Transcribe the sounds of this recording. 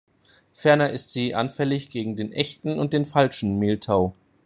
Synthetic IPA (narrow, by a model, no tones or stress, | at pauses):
fɛɐnɐʔɪstz̥iːʔa̰nfɛlɪçɡ̥eːɡŋ̩deːnʔɛçtn̩ʊnt̚d̥eːnfalʃn̩meːltʰaʊ